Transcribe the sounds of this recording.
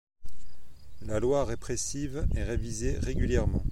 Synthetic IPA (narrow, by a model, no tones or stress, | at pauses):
lalwaʁepχesivɛʁevizeʁeɡʲyljɛʁmɑ̃